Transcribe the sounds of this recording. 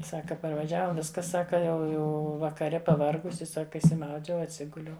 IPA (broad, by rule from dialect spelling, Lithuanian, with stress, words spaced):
ˈsɑːkɐ pɐrʋɐˈʒʲæːʋɐ ˈʋʲɪskɐ ˈsɑːkɐ ˈjɛʊ ˈjɛʊ ʋɐkɐˈrʲɛ pɐˈʋɐrɡʊsʲɪ ˈsɑːkɐ ɪʃʲsʲɪˈmɐʊd͡ʒʲɛʊ ɐtʲˈsʲɪɡʊlʲɛʊ